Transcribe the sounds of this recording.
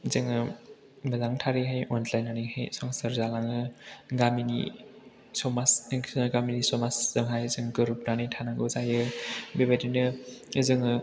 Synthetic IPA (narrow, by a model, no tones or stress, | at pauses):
zɯŋɯ | mɐzaŋtʰaɾiɦajɔnlajnanihajsɔŋsɯɾzalaŋɯɡaminḭ | sɔmasɡaminisɔmasz̥ɯŋɦajzɯŋɡɯɾup̚nanijtʰanaŋɡɯwzajɯbebedinɯzɯŋɯ